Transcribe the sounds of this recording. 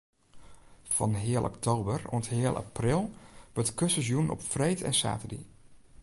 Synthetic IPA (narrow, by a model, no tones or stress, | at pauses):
fɑnɦɪəlˠʔɔ̰ktʰowbərɔnəthɪəlˠʔa̰prɪlˠʋətkøsəsjunɔ̰pfrejtʰɛ̰nsa̰ːtədḭ